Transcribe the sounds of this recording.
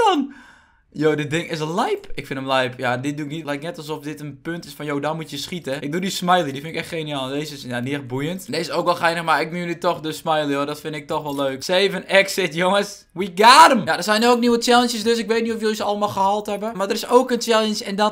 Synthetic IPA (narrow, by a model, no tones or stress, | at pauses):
ɔn | joːdədɪŋɪs̬lɛjpɪkfɪndəmlɛjpjadɪt̚duɪknitlɛjknɛtɔlˠs̬ɔfdɪtənpøntɪsfɔnjoːdɔnmutjəsxitəɪk̚dudismajlˠidifɪnɪkɛxtxeːniaːlˠdeːsəsjadiɛx̚bujəntdeɪsoːkʋɛlˠxɛjnəxmarɪk̚myənitɔxdəsmajlˠəjodɔtfɪndɪk̚tɔxʋɔlˠløːkseːvənɛksɪtjoŋəs | wiɡaɾəmjadəsɛjnookniwət͡ʃɛlˠənʃjəsdøsɪkʋet̚nitɔfjolˠsəɔlˠəmalˠxəhɔlˠthɛbəmardərɪsoːkənt͡ʃɛlˠənsɛndɔt